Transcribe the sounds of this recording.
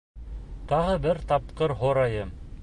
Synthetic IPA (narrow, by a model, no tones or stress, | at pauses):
t̪ɑʁɤbɘɾt̪ɑp̚qɤɾɦoɾɑjɤm